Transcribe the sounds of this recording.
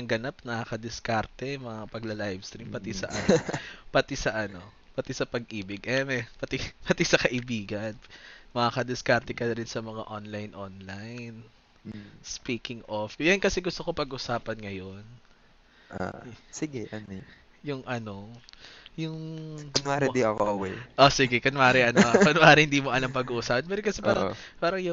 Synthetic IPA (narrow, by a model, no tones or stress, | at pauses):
ɐŋɡɐnap̚nɐʔakɐd̪ɪskaɾt̪ɛmɐŋapɐɡlɐlajvst̪ɾimpɐt̪isɐ̰ʔɐnpɐt̪isɐʔɐno̞ | pɐt̪isɐpɐɡʔiːbɪɡʔɛmɛpɐt̪ipɐt̪isɐkɐʔɪbiːɡɐnmɐkakɐd̪ɪskaɾt̪ɛkɐnɐɾɪnsɐmɐŋa̰ʔonlajnʔonlajn | spiːkɪŋofjɐnkɐsɛɡʊst̪o̞kopɐɡʔʊsaːpɐnŋɐjon | ʔa̰sɪɡɛʔɐn | jʊŋʔɐno̞ | jʊŋɐnaɾɛd̪iɐkoʔʔwɛʔosɪɡɛkɐnʔaːɾɪʔɐnokɐnʔaːɾɪhɪnd̪iːmoʔɐlɐmpɐɡuːʔusaːpɐnpɛːɾokɐsɛpaːɾɐ | paːɾɐŋjʊ